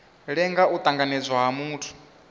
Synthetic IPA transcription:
ɺɛŋɡaʔut̪ʼaŋɡanɛd͡zʷwaɦamuːtʰu̥

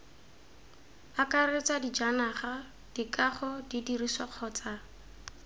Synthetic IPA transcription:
akaret͡sadid͡ʒanaχa | d̥ikaχɔdidirisaq͡χʰɔt͡sa

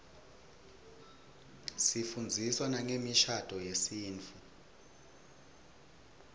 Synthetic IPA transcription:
sifund͡zʱiswanaŋemiʃad̥ʼʱɔjesiːnt͡fʰu

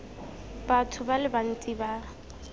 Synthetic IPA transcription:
b̥atʰʊbalɪban̩t͡sʼiba

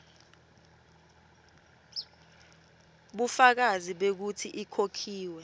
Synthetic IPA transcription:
ɓufak̬aziɓek̬utʰiʔikʰokʰiːwɛ

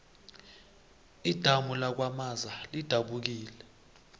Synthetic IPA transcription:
id̥ʱamulak̬wamazalid̥ʱaɓuk̬iːlɛ

